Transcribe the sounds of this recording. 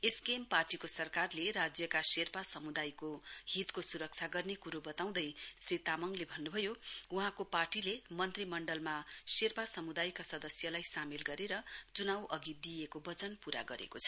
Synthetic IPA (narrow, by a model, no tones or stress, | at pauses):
eskemparʈikosʌrkarleɾad͡zjʌkaserpasʌmud̪ajkohit̪kosuɾʌk̚t͡sʰaɡʌrnekuɾobʌt̪aw̃d̪ʌjsrit̪amʌŋlebʱʌnːubʱʌjouɦãkoparʈilemʌnt̪rimʌɳɖʌlmaserpasʌmud̪ajkasʌd̪ʌsjʌlajsamilɡʌɾeɾʌt͡sunawʔʌɡid̪ijekobʌt͡sʌnpuɾa̰ɡʌɾḛkot͡sʰʌ̥